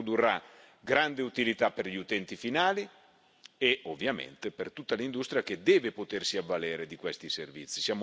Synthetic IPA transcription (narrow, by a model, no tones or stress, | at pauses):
od̪urːa | ɡɾand̪eut̪ilit̪apːerʎiut̪ɛnt̪ifinaːli | eovːjamḛnt̪epert̪ut̪ːalind̪ust̪ɾjaked̪ɛːvepot̪ersiavːaleːɾed̪ikwɛst̪iservḭt̪sːi̥sjaːmo